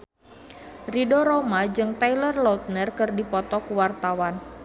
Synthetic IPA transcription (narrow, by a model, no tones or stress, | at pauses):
ridoɾomad͡ʒɨŋt̪ajlərlɔut̪̚nərkɨrdipɔt̪ɔkuwart̪awan